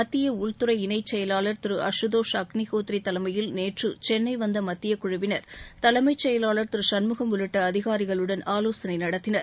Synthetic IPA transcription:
mɐt̪ːɪjɐʊɭt̪ɯɾɐɪɪnɐɪt͡ʃːɛjɐlaːɭɐɾt̪ɪɾɯʔɐ̰ʂɯðoːʂɐknɪɣoːt̪ɾiɪt̪ːɐlɐmɐjɪlneːʈrɯt͡ʃɛnːɐɪʋɐnd̪ɐmɐt̪ːɪjɐkʊɻʊʋɪnɐɾt̪ɐlɐmɐɪt͡ʃːɛjɐlaːɭɐɾt̪ɪɾɯsɐnmɯɣɐmʋʊɻɪʈːɐːðɪɣaːɾɪɣɐɭɯɽɐnaːloːsɐnɐɪnɐɽɐt̪ːɪnɐɾ

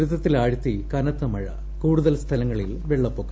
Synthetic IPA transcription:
ɾuðɐt̪ːilaːɻut̪ːikɐnɐt̪ːɐmɐɻɐ̰ | kuːɽuðɐlst̪ʰɐlɐŋːɐɭilʋeɭːɐpːoːkːɐ

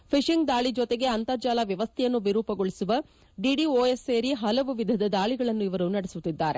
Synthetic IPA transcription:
pʰiʂiŋɡd̪aːɭid͡ʒɔt̪e̞ɡe̞ɐnt̪ɐːd͡ʒaːlɐʋjɐʋɐst̪ʰɛjɐnːuʋiɾuːpɐɡoɭisuʋɐ | ɖiɖioːeseːɾiɦɐlɐʋuʋid̪ʱɐd̪ɐd̪aːɭiɡɐɭɐnːuiʋɐɾunɐɽesut̪ːid̪ːaːɾe̞

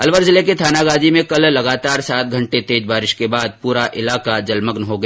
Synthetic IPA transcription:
ɐlʋəɾzɪleket̪ʰaːnaɡaːd͡ʒ̪imẽkɐllɐɡaːt̪aːɾsaːt̪̚ɡʱɐ̃ɳʈet̪eːd͡ʒbaːɾɪʃkebaːd̪̚puːɾaʔɪlaːkad͡ʒɐlməɡnɦoɡɐ

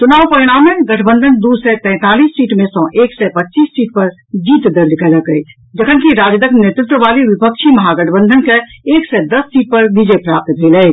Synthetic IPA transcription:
t͡ʃunaːwpəiɽ̃amẽɡəʈʰbə̃nd̪ʱənd̪usɛt̪ɛ̃ːt̪aliːsːiːʈmẽsɔ̃ːʔeksɛpətːt͡ʃiːsːiːʈ̚pəɾ | d͡ʒiːt̪d̪əɾd̪ikələkəi | d͡ʒəkʰənkiɾad͡ʒd̪əknet̪ɾɪt̪wəʋaliʋipək̚t͡ʃʰimɐɦaɡəʈʰbə̃nd̪ʱənkeeːksɛd̪əsːiːʈ̚pəɾbid͡ʒɛpɾap̚t̪bʱelɛ

